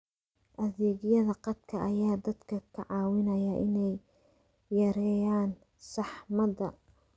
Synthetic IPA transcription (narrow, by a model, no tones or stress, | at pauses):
ʔɐðɛːɡjɐðɐqɑd̪kʰɐʔɐjaːd̪ɐd̪kʰɐkʰɐʕɑːwɪnɐjɐʔɪnɛjː | ɐɾɛːjaːn | sɑħmɐd̪ɐ